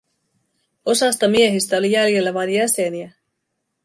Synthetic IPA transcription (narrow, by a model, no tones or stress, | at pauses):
o̞sɑst̪ɑmie̞ɦist̪æo̞lijælje̞lːæʋɑjnjæse̞niæ